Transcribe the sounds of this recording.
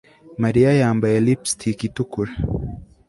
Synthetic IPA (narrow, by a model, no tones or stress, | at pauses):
maɾiajaːmbaɛlipstʰikitukuɾa